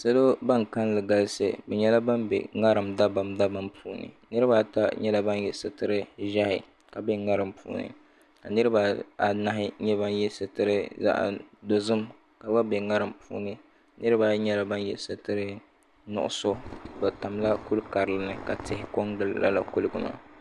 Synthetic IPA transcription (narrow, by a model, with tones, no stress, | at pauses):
sa˦lo˦ba˦ŋka˦n˦lɨ˨ɡa˨lsɨ̰˨bɛ˨ɲɛ˦la˦ba˦mbɛ̰˨ŋa˦ɾɨ˨mda˦ba˨mda˦ba˦mpʰuː˦nɨ̰˨ | nɨ˦ɾɨ˦ba˦ta˦ɲɛ˦la˦ba˦njɛ˨sɨ˨tɨ˦ɾɨ˦ʒa˦hɪ˨ | ka˨bɛ˦ŋa˦ɾɨ˨mpṵː˨˦nɨ̰˨ | ka˨nɨ˦ɾɨ˦ba˦a˨na˦ɦɪ˦ɲɛ˦ba˦njɛ˦sɨ˨tɨ˦ɾɨ˦za̰˦ʔa̰˨do˨zɨ˦m | ka˨ba˦bɛ˨ŋa˦ɾɨ˨mpʰṵː˦nɨ˦ | nɨ˦ɾɨ˦ba˦ɲɛ˦la˦ba˦njɛ̰˨sɨ˦tɨ˦ɾɨ˦ | nʊ̰˨ʔʊ̰˦so˦bɛ˨ta˨mla˦ku˦lka˨ɾɨ˨lɨ˦nɨ˨ka˨tɪ˨hɪ˨ko˦ŋdɨ˦lla̰˦la̰˨ku˦lɨ˨ɡɨ˨ma̰˦